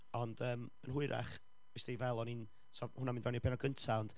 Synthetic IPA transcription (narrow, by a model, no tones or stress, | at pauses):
ɔnd̥əːmənɦʊɨɾʔa̰χ | vɛsdivɛlˠɔnin | sɔhʊnamĩːnvɛnipʰɛnɔɡəntʰaɔnd̥